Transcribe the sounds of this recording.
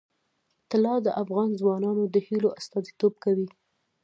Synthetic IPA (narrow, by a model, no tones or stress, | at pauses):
t̪ɪlɑd̪əʔafɣɑnzwɑnɑnod̪əhiloʔast̪ɑzit̪ob̚kawi